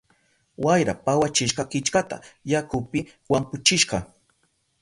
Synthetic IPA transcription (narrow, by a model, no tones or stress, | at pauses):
wajɾapawat͡ʃɪʃɢɑkɪt͡ʃkat̪a̰jakʊpɪwampʊt͡ʃɪʃɢɑ